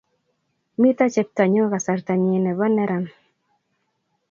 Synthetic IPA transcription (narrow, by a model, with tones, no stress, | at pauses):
mi˦t̪a˦t͡ʃɛ˨p̚t̪a˨ɲo˦ɣa˨sa˨ɾta˨ɲe˨nɛ˨βa˦nɛ˦ɾa˨n